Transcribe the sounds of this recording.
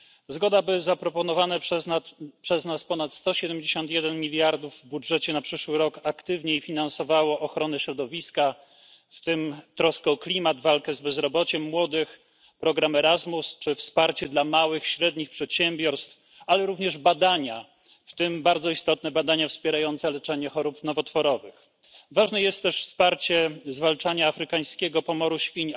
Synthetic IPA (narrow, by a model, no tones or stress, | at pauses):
zɡɔd̪abɘzapɾɔpɔnɔvanɛ | pʂɛznaspɔnat̪st̪ɔɕɛd̪ɛmd͡ʑeɕɔnt̪jɛd̪ɛnmʲilʲjaɾd̪uvːbudʐɛt͡ɕɛnapʂɘʂwɘɾɔkakt̪ɘvɲeifʲinansɔvawɔʔɔxɾɔnɛɕɾɔd̪ɔvʲiska | ft̪ɘmt̪ɾɔskɛɔklʲimad̪valkɛzbɛzɾɔbɔt͡ɕɛmːwɔd̪ɘx | pɾɔɡɾamɛɾazmust͡ʂɘfspaɾt͡ɕɛd̪lamawɘxɕɾɛd̪ɲixpʂɛt̪ɕɛmbʲjɔɾst̪f | alɛɾuvɲɛʐbad̪aɲa | ft̪ɘmbaɾd̪zɔist̪ɔt̪̚nɛbad̪aɲafspʲjɛɾajɔnt̪sɛlɛt͡ʂɛɲɛxɔɾupnɔvɔt̪fɔɾɔvɘx | vaʐnɛjɛst̪ːɛʂfspaɾt͡ɕɛzvalt͡ʂaɲaːfɾɘkaj̃skʲɛɡɔpɔmɔɾuɕfʲiɲ